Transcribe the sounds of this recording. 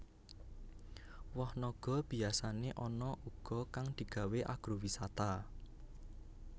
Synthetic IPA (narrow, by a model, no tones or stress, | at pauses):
wɔhnɔɡ̥ɔ̤b̥i̤asaneʔɔnɔʔuɡ̥ɔ̤kaŋd̪̥i̤ɡ̥a̤weʔa̰ɡ̥ɾuwisat̪a